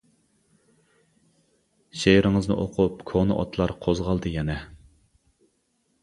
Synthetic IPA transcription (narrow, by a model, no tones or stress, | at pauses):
ʃejɾɪŋəznɨ̰ʔoqʰupkʰonɨʔɔ̰t̪ʰlˠɑɾqʰozʁɑlˠd̪ɨjɛnɛ